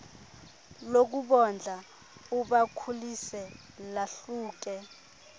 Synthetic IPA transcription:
lok̬uɓɔnd͡ɮʱa | uɓakʰulisɛ | laɬuːk̬ɛ

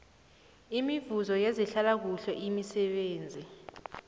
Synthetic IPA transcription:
imivuzɔjeziɬalak̬uɬɔʔimisɛɓeːnd͡zʱi

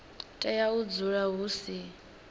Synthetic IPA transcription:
tʼɛjaud͡zuɺaɦuːsi

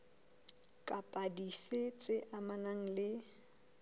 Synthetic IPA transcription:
kʼapʼadifet͡sʼɪʔamanaŋ̩lɪ

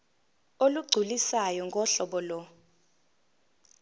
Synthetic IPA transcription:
oluɡ͡ǀʱulisajɔŋɡʱɔɬɔɓɔlɔ

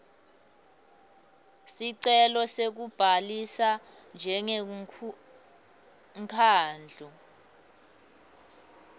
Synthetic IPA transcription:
siǀɛlɔsek̬ub̥ʱalisa | nd͡ʒʱɛŋɛ | ŋkʰaːnd͡ɮʱu

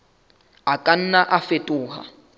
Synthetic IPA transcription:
akʼan̩naʔafetʼʊːɦa̰

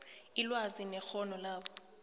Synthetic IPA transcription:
ilwazinɛxɔnɔlaːɓɔ

